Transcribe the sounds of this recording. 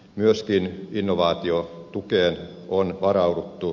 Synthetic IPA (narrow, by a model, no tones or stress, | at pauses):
myøskininːoʋɑːt̪iot̪ukeːn | ʔonʋɑrɑudut̪ːu